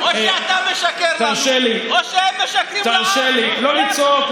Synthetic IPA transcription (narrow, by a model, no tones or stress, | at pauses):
oʃat̪ameʃakeɾt̪aaʃelioʃeɛmːeʃakit̪aʃelilolit͡sok